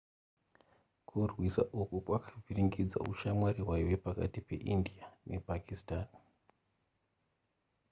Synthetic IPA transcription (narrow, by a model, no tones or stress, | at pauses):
kʰurwisa̰ʔukukwakʰḁvʱiriŋɡid͡za̰ṵʃamwaɾiwaiʋe̞paka̰tipe̞̰ʔindiane̞pakʰistan